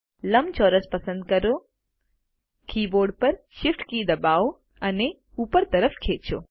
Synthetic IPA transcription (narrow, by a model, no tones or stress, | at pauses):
lɐmt͡ʃɔːɾəspɐsə̃nd̪̚kɐɾoː | kʰiːboːɾɖ̚pɐɾʃɪfʈkid̪ɐbaːo | ɐne | uːpəɾt̪ɐɾəpʰkʰeːt͡ʃo̰ː